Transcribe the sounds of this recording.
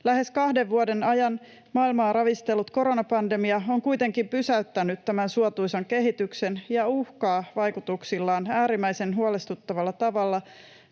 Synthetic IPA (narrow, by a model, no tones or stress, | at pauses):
læhe̞skɑhdeʋʋuode̞nɑjɑn | mɑːilmɑːrɑʋist̪e̞lːut̪ko̞ɾonɑpɑndemiɑoŋkuit̪e̞ŋkimpysæyt̪ːænyt̪tæmænsuot̪uisɑŋke̞ɦit̪yksenjɑuhkɑːʋɑjkut̪uksilːɑːnæːɾimːæjse̞nɦuolest̪ut̪ːɑʋɑlːɑt̪ɑʋɑlːɑ